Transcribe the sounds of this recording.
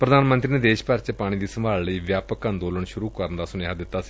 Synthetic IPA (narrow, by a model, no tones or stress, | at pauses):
pɾəd̪aːnmənt̪ɾiːneːd̪eːʃpəɾt͡ʃəpaːɽ̃iːd̪iːsəmaːlləiːʋjaːpəkãːnd̪oːləɳʃʊɾuːkəɾənd̪aːsʊnjaːd̪ɪt̪ːaːsi̥ː